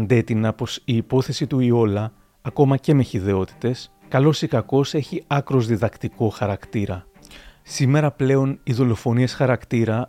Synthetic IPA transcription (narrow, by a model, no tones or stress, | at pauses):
nd̪e̞t̪inɐpo̞siːpo̞θe̞sit̪uio̞lɐː | ko̞mɐce̞meçiðe̞o̞t̪i̥t̪e̞s | kɐlo̞sikɐko̞se̞çiɐkɾo̞zðiðɐkt̪iko̞xɐɾɐkt̪iɾɐ | sime̞ɾɐple̞o̞niðo̞lo̞fo̞niesxɐɾɐkt̪iɾɐ